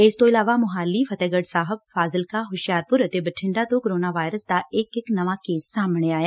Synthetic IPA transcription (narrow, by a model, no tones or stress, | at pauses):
ɪst̪oɪlaːʋamʊɦaːlːifʰɐt̪ɛːɡəɖsaːɦəb̚faːzɪlkaɦʊʃjaːɾpʊɾt̪ebɐʈʰɪ̃ɳɖat̪okoɾoːnaʋaːjɾəsd̪aʔeːkɪknɐʋakeːsːaːmɳ̃eaːjaː